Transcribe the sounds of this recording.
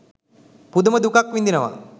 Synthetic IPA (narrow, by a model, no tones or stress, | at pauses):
pud̪ɐmɐd̪ukakʋind̪inɐʋa̰